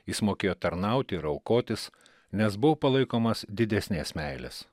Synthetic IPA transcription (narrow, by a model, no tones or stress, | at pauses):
jɪsmoːkʲeːjoːt̪ɐɾnɐʊt̪ʲɪɪɾɐlˠkoːt̪ʲɪs | nʲɛsbʊʋopɐlˠɐɪkoːmɐsd̪ʲɪd̪ʲɛsʲnʲeːsmʲæɪlʲḛs